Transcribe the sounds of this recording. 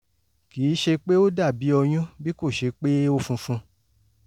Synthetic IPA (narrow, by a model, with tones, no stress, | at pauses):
kiː˨˦ʃe˧k͡pe˦o˦da˦˨bi˨˦ɔ˧j̃ũ˦bi˦ko˦˨ʃe˧k͡pe˦o˦fũ˧fũ˧